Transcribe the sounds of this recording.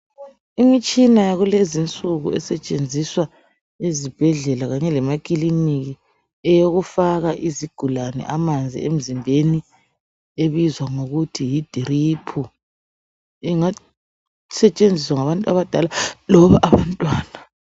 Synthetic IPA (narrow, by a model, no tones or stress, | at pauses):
imit͡ʃʼinajaɣulezint͡sʼuɣṵɛ̰sɛt͡ʃʼend͡zʱiswa | ezib̥ʱɛɮɛlaɣaɲɛlɛmakʼiliniɣi | ɛjoɣufaɣaʔiziɡ̥ʱulanɛ̰ʔamand͡zʱḭḛm̩zimbʱeni | eβizwaŋoɣutʰijid̥ʱiripʰu | iŋa | sɛt͡ʃʼend͡zʱiswaŋaβantʼua̰βad̥ʱalalɔβaʔaβantʼwaːna